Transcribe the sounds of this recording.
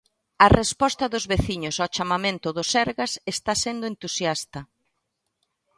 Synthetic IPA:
ɐrespɔst̪ɐðʊzβeθiɲʊsot͡ʃamamẽnt̪ʊðʊsɛɾɣɐsest̪asend̪ʊent̪usjast̪ɐ

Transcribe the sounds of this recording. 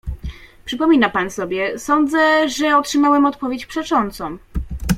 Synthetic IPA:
pʂɘpɔmʲinapansɔbʲjɛsɔnd̪zɛʐɛɔtʂɘmawɛmɔt̪pɔvʲjet͡ɕpʂɛt͡ʂɔnt̪sɔ̃w̃

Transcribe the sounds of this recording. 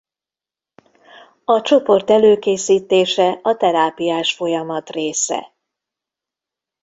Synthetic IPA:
ɒt͡ʃo̞po̞rt̪ɛløːkeːsiːt̪eːʃɛɒt̪ɛɾaːpijaːʃfo̞jɒmɒt̪reːsɛ̰

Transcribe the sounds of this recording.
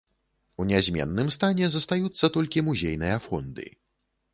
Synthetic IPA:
unʲazʲmʲɛ̰nːɨmst̪anʲɛzɐst̪ajut̪sːɐt̪ɔlʲkʲimuzʲejnɨjɐfɔnd̪ɨ̰

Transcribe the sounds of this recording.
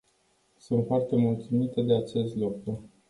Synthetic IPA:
sunt̪foart̪e̞mult̪sumit̪ed̪e̞at͡ʃe̞st̪lukɾu

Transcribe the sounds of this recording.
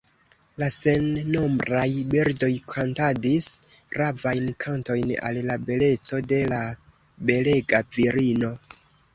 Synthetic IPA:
lase̞nːo̞mbɾajbiɾdo̞jkʰantadisɾavajnkʰanto̞jna̰llabe̞le̞t͡so̞de̞la | be̞le̞ɡaviɾino̞

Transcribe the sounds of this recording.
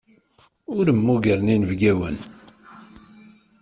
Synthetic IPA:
ʊɾəmːuɡəɾninəvɡæwə̰n

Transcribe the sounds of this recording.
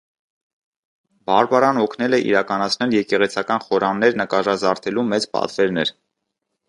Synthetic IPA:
bɑɾbɑɾɑnɔkʰnɛlɛʔḭɾɑkɑnɑt͡sʰnɛljɛkɛʁɛt͡sʰɑkɑnχɔɾɑnːɛɾnəkɑʒɑzɑɾt̪ʰɛlumɛt͡spɑ̰t̪vɛɾnɛɾ

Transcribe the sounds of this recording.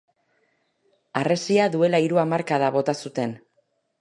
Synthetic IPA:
are̞siaðue̞laiɾuamaɾkaðaβo̞t̪asut̪e̞n

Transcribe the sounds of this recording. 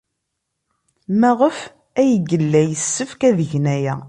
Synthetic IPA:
mæʁəf | æjəɡəlːæjəsːəfkæðəʝnæjæ

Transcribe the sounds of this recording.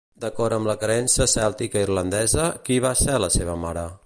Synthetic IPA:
d̪əkɔɾt̪əmləkɾəɛnsəsɛlˠt̪ikəirlənd̪ɛzəkiβ̞asɛləseβ̞əmaɾə

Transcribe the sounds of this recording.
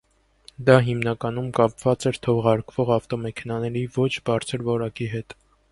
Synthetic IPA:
d̪ɑɦimnɑkɑnumkɑpvɑt͡sɛɾt̪ʰɔʁɑɾkvɔʁɑft̪ɔmɛkʰɛnɑnɛɾivɔt͡ʃʰbɑɾt͡sʰəɾvɔɾɑkiɦɛt̪

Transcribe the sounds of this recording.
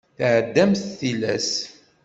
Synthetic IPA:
θʕəd̪ːæmθθilæ̰s

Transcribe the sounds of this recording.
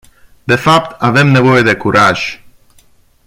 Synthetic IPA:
d̪e̞fapt̪ʰave̞mne̞vo̞je̞d̪e̞kuɾaʒ̥ʲ

